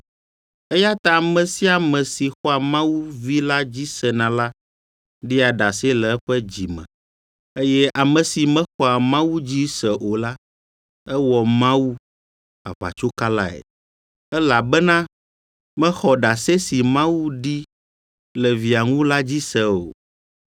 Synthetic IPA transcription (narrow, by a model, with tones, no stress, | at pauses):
ɛ˦ja˦t̪a˦a˨mɛ̃˨si˦a˨mɛ̃˨si˨xɔ˦a˨mã˦wu˦vi˦la˦d͡ʑi˦sɛ˨nã˨la˦ | ɖi˦a˨ɖa˨se˦lɛ˨ɛ˦ɸɛ˦d͡ʑi˨mɛ̰̃˨ | e˦jɛ˦a˨mɛ̃˨si˨mɛ̃˦xɔ˦a˨mã˦wu˦d͡ʑi˦sɛ˨ʔo˨la˦ | ɛ˦wɔ˨mã˦wu˦ | a̰˨βa̰˨t͡ʃo˦ka˦la̰˦ɛ̰˨ | ɛ˦la˨bɛ˦nã˦ | mɛ̃˦xɔ˨ɖa˨se˦si˨mã˦wu˦ɖi˦ | lɛ˨vi˨a˨ŋũ˦la˦d͡ʑi˦sɛ˦˨o̰˨